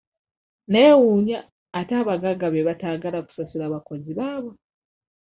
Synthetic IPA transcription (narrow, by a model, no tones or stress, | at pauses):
neːwuːɲaː | taːβaɡaɡaβeβataːɡalaku̥sasulaβako̞ziβaːβo